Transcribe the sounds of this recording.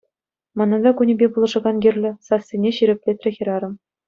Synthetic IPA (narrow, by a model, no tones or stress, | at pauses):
mɑnɑd̪ɑkunʲebʲebulˠɤ̆ʐɤ̆ɡɑnɡʲirʲlʲɘ̆sɑsʲːenʲeɕiɾʲɘ̆pʲlʲet̪ʲrʲɘ̆xʲĭɾɑɾɤ̆m